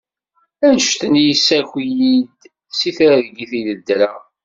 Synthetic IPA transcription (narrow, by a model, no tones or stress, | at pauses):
ænəʃt̪ənjisːæxijid̪ | siθɾðɡiθiləd̪ːɾæ